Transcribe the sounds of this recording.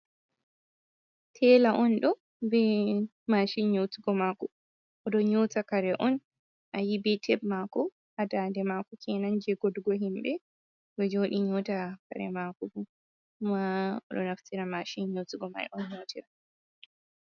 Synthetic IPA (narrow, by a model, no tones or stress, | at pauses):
tʰɛlaʔɔnɗɔ | bɛ | maːʃinɲowtiɡɔmaːkɔ | ʔɔɗɔɲotakaɾɛʔɔn | ʔajibɛtʰɛbmakɔ | ʔadaːndɛmakɔkʰɛnand͡ʒɛɡɔdɡɔɦimbɛ | ɗɔd͡ʒoɗiɲotaka̰ɾɛ̰makɔbɔ | maɔ̰ɗɔnaftiɾamaʃinɲotiɡɔma̰ɛ̰ʔɔnɲowtiɾa